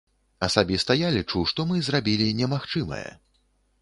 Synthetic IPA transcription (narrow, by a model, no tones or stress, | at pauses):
ɐsabʲist̪ɐjalʲit͡ʂuʂt̪ɔmɨzrabʲilʲinʲɛmaxt͡ʂɨmɐ̰jɛ̰